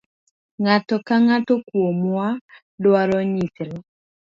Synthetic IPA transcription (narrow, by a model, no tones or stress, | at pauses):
ŋatɔkaŋatɔkwomwa | lwaɾɔɲitɾe